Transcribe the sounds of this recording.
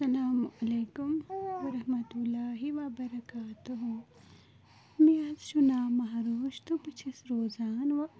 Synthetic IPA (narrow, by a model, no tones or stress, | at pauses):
sɐlaːmɐleːkʊmʋɐɾɐhmɐt̪ulːaːɦiʋɐbɐɾɐkaːt̪uɦũ | mẽaːzʃʊnaːmɐɦɾoːʃt̪opɐt͡ʃʰisɾoːzaːnʋɐ